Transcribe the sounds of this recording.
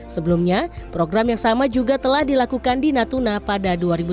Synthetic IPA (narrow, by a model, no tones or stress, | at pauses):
səbəlumɲapɾoɡɾamjaŋsamad͡ʒuɡat̪əlahdilakukandinat̪unapadaduaɾibu